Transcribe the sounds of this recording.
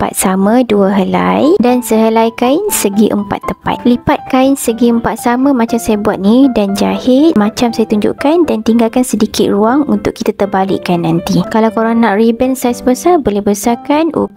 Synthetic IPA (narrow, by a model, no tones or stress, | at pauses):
əmpa̰t̪̚samãduəɦəla̰jdansəɦəlajkaɪnsəɡiʔə̰mpa̰t̪ːəmpa̰t̪̚lipat̪̚kaɪnsəɡiəmpat̪̚samãmãt͡ʃamsajabuat̪̚nidand͡ʒahɪt̪̚mãt͡ʃamsajat̪uɲd͡ʒṵʔkandant̪iŋɡalkansədikɪt̪̚ruaŋunt̪ʊkːit̪at̪ərbalɪ̰ʔkanːant̪ikalawkoɾanãʔribɛnsajasəbəsabolɛhbəsakanʔṵ